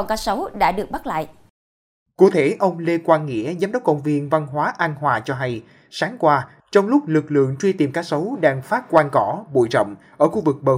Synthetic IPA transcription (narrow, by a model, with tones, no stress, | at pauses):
kaː˧˥sə˨˦wɗa̰ː˧˥ɗɨ˨˩ək̚ɓa˦˥la̰ː˧˨j | ku˧˩t̪ʰe˧˩ʔə˧wŋ͡mle˧kwaː˧nŋḭ˧˥əzaː˨˦mɗɔ˦˥k͡p̚kə̰˧˨wŋ͡mvi˧˩ənva˧nɦwaː˨˦ʔa˧nɦwaː˨˩t͡ɕɔ˧ɦa˧j | saː˨˦ŋkwaː˧ | t͡ɕɔ˧wŋ͡mlʊ˦˥k͡p̚lɨ˨˩k̚lɨ̰˧˨əŋt͡ɕwi˧t̪i˨˩mkaː˦˥k̚sə˨˦wɗaː˧ŋfaː˦˥t̚kwaː˧nkɔ˧˩ɓo̰˧˨jzɔ̰˧˨wŋ͡m | ʔəː˧˩xu˧vɨ˨˩k̚ɓəː˨˩